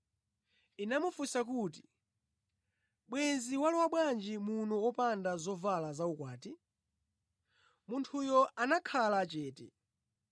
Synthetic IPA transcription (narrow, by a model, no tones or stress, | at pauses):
inamufusakuːti | ɓwɛnziwalɔwaɓwand͡ʒimunɔɔpandazɔvalazaukwaːti | muntʰujɔʔanakʰalat͡ʃɛːtɛ̰